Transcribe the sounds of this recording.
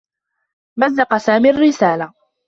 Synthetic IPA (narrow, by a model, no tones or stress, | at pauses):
mazːɑqɑsaːmiarːɪsaːla